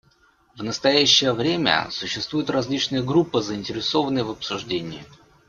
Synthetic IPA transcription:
vnəst̪ɐjæɕːɪjəvɾʲemʲə̰sʊɕːɪst̪vujʊt̪rɐzʲlʲit͡ɕnɨjəɡɾupːɨzəɪnʲtʲɪɾʲɪso̞vənəjəvəpsʊʐdʲenʲɪː

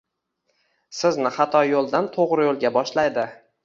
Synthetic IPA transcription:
sɪznɪχɑt̪ʰɒjolˠd̪ant̪ʰoʁɾɪjolˠɡʲabɒʃlajd̪ɪ

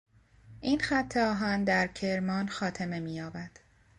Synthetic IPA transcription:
ʔiːnxæt̪ʰːeɒːɦɒnd̪æɾcʰe̞ɾmɒːnxɒːt̪ʰeme̞miːjɒːbæd̪̥

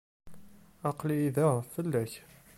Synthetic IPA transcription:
ɑqliːðæʁfəlːæç

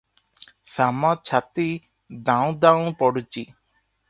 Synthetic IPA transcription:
samɔt͡ʃʰat̪i | d̪ãw̃d̪aũpɔɽut͡ʃi

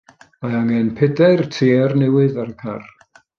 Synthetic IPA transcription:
majaŋɛnpʰɛdɛrtʰiːrnɛwɨðaɾəkʰar

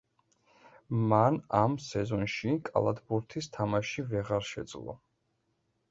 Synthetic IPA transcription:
manamsɛzɔnʃikʼa̰lˠad̪ʰbuɾt̪ʰist̪ʰamaʃivɛʁaɾʃɛ̰d̪zlˠɔ̰

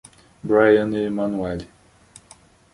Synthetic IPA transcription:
bɾajɐ̃nemãnuɛli

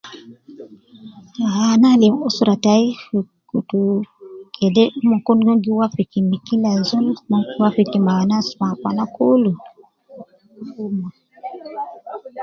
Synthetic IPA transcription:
analiusuɾataifi | kutukʰɛdɛmɔkonɡɔŋɡiwafikimikilazulmawafikimaanasmapa̰nakolu | fuma

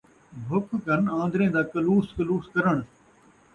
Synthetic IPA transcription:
bʱʊkʰkənãːnd̪ɾẽːd̪aːkəluːskəluːskəɾəɳ̃

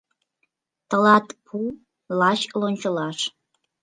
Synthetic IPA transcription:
t̪ə̆lɑt̪pʰu | lɑɕlonʲt͡ɕəlɑʃ

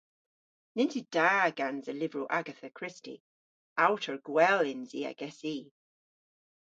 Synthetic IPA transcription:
nɪnsid̥aːɡ̥anzəlɪvɹuʔaɡəθəkʰɹ̥ɪstḭ | awtʰəɹɡ̥wɛlɪnziːɛ̰ɡ̥ɛsiː

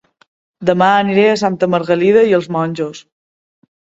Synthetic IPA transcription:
d̪əmaəniɾeəsant̪əməɾɣəlið̞əiəlˠzmɔnʲʒos

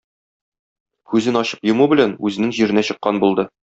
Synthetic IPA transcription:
kʉzɘnɒɕɤ̥pjŏmubɘ̆lænʉzɘ̆nɘŋʑiɾɘ̆næɕɤ̆qːɑnbulˠd̪ɤ

